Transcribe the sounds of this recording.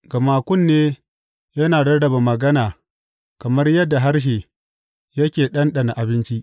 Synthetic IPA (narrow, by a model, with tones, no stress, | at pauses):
ɡɐ˨maː˨kʷʊ˦˨nːeː˦ | jɐ˦naː˨ɽɐ˦ɽɐ˨ba˨mɐ˨ɡɐ˦naː˨ | kɐ˨mɐ˦rjɐ˦dːa˨ɦa˦rʃ̬eː˨ | jɐ˦kʲeː˨ɗɐ˦nɗɐ˨na˨ʔa˨bɪ˦nt͡ʃi˦ʔ